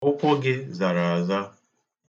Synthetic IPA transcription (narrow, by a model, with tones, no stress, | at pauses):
ʊ˦kʷɔ˦ɡɪ˦za˨ɾa˨a˨za˦